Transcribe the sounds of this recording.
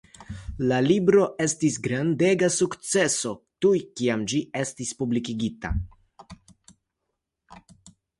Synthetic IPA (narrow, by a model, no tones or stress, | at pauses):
lalibɾo̞ʔe̞stisɡɾande̞ɡasukt͡se̞so̞tujkiamd͡ʒie̞stispublikiɡita̰